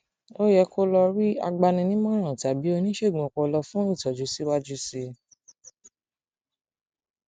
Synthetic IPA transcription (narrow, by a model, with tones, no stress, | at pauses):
o˦jɛ˧ko˦lɔ˧ɾi˦a̰˧ɡ͡ba˧nĩ˧nĩ˦mã˦˨ɾ̃ã˨ta˨bi˨˦o˧nĩ˦ʃe˦˨ɡ͡bɔ̃˨kɔ˧lɔ˧fũ˦i˦˨tɔ˨d͡ʒu˨˦si˦wa˦d͡ʒu˦si˧